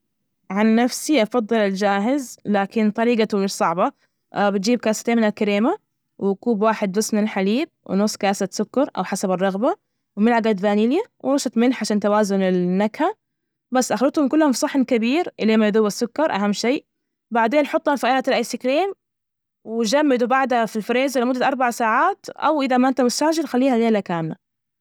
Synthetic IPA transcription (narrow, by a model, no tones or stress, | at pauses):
ʕanːafsiʔɑfɑd̪ˤːɨlɪld͡ʒaːɦɪzlaːkɪnt̪ˤɑɾiːɡat̪umɪʃsˤɑʕbɑ | bɪt̪̚d͡ʒiːb̚kaːsat̪eːnmɪnalkaɾeːma | wɪkuːbwaːħɪd̪̚bʊsːmɪnɪlħaliːb̚w̰nʊsˤːkaːsat̪sʊkːɑɾˤʔa̰wħasabɪrˤːɑɣba | wmɪnʕaɡad̪baːniːljawʔnʊʃɑt̪mɪlħʕaʃaːnt̪awaːzʊnɪlːakha | basːʔaxlɑt̪hʊmkʊlːhʊmfsˤɑħːɪnkabiːɾʔɪleːmajd̪ʊwːasːʊkːɑɾˤʔaɦamːʃeːʔ | baʕd̪eːnħʊt̪ˤːhɑnfiʔaːlat̪ɪlʔajsɪkleːm | wɪd͡ʒamːɪd̪ubaʕd̪hafilfɾeːzɪlamʊd̪ːaʔɑɾˤbaʕsaːʕaːt̪ʔa̰wʔɪðamaʔɪnt̪amʊst̪aːʒɪɾxalːiːhajeːlakaːmla